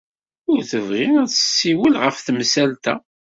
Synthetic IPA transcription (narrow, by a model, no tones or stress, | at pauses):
ʊɾθəvʁinæt͡səsːiwəlʁəfθmsælt̪æ̰